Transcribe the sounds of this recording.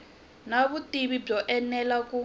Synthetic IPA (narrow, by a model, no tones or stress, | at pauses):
naβutiβib͡ʐɔʔɛnɛlaku